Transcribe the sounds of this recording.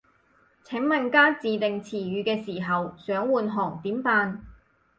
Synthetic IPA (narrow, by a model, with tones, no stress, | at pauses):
t͡sʰɪ˨˥ŋmɐ˨nkaː˥t͡siː˨t̪ɪ˨ŋt͡sʰiː˨˩ɥyː˨˧kɛː˧siː˨˩ɦɐ˨wsœː˨˥ŋwuː˨nɦɔː˨˩ŋt̪iː˨˥mpaː˧n